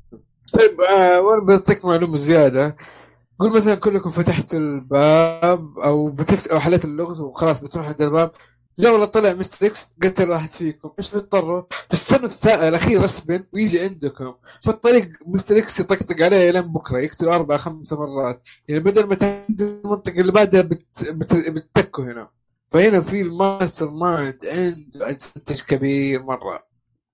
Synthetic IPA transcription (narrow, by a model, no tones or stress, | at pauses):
t̪ˤɑjɪbʔawʔanabɪjt̪ˤːiːkmaʕluːmazɪjaːd̪a | ɡuːlmaθalankʊlːʊkʊmfat̪aħt̪ɪlbaːb̚ʔawbɪt̪ɪft̪ʔawħalaːt̪ɪlːʊɣθwxɑlɑːsˤbɪt̪ɾuːħʕɪnd̪ɪlbaːb̚ | t̪d͡ʒaːwalɨt̪ˤːɨlɪʕmɪst̪ɾɪksɡalt̪alwaːħɪd̪fiːkʊmʔeːʃbɪt̪̚d̪ˤɑrˤːʊfʔɪfanːɪθːaːʔɪlʔaxiːɾʔɑsbɪnwjɪd͡ʒiʕɪnd̪ʊkʊmfit̪ˤːɑɾiːɡ̚mɪst̪ɾɪksjt̪ˤɑɡt̪ˤɨɡʕaleːlaːmbʊkɾˤɑjɪkt̪ʊlʔɑɾˤbaʕaxamsamɑrˤːɑːt̪ | jaʕnibad̪almat̪ʕnd̪ʊlmɑnt̪ˤɨqɑɪlːibaʕd̪habɪt̪b̪bɪt̪̚ːakːuhɪna̰ | fahɪnafilmasɨɾmaʕɪnd̪ʕɪnd̪ʔad̪fant̪aʃkabiːɾmɑrˤːɑ̰